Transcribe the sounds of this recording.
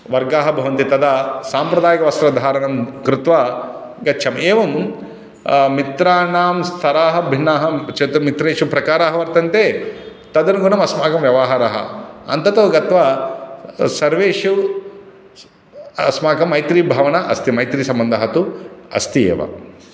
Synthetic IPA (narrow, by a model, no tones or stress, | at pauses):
ʋɐɾɡaːɦɐbʱɐʋɐnt̪it̪ɐd̪ɐsaːmpɾɐd̪aːjɐkɐʋɐst̪ɾɐd̪ʱaːɾɐnɐmkɾɪt̪ʋa | ɡɐtːʃʰɐmeːʋɐm | mit̪ɾaːnaːmst̪ʰɐɾaːɦɐbʱinːaːɦɐt͡ʃɐt̪ɐmit̪ɾeːʂupɾɐkaːɾaːɦɐʋɐɾt̪ɐnt̪eː | t̪ɐd̪ɐnɡunɐmɐsmaːkɐmʋjɐʋɐɦaːɾaɦɐ̰ɐ̰nt̪ɐt̪ɐːɡɐt̪ʋɐ | sɐɾʋeːʂu | ɐ̰smaːkɐmːɐjt̪ɾiːbʱaːʋɐnɐʔɐst̪imɐjt̪ɾiːsɐmbɐnd̪ʱɐɦɐt̪uɐ̰st̪iḛːʋɐ̰